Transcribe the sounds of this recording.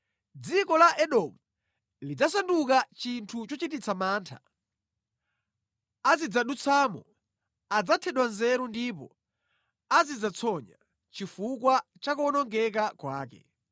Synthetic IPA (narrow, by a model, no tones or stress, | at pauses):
d͡zikɔlaʔɛɗɔmu | lid͡zasandukat͡ʃintʰut͡ʃɔt͡ʃitit͡sʰamaːntʰa̰ | azid͡zaɗut͡sʰamɔ̰ | ad͡zatʰɛɗwanzɛɾundipɔ̰ | azid͡zat͡sʰɔɲa̰ | t͡ʃifukwa | t͡ʃakuɔnɔŋɡɛk̬akwaːkɛ̰